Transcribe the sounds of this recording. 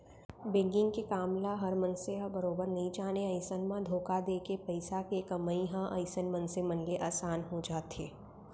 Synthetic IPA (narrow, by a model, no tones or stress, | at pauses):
bɪ̃ŋɡɪ̃ŋɡkekaːmlaɦɐɾmɐ̃nseɦɐbɐɾoːbəɾnɐɦĩt͡ʃaːneɐɪsənmãd̪ʱoːkad̪eːkepɐɪsakekɐməĩɦãʔɐɪsənmɐ̃nsemɐ̃nleʔaːsaːnɦod͡ʒaːt̪eː